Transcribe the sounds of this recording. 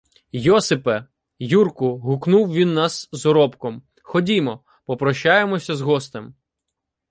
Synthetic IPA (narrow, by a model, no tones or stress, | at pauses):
jɔsɪpɛ | jurkʊɦʊknuwʋʲinːɑsːɔɾɔpkɔm | xɔdʲimɔ | pɔpɾɔʃːɑjemɔsʲɐzɦɔst̪ɪm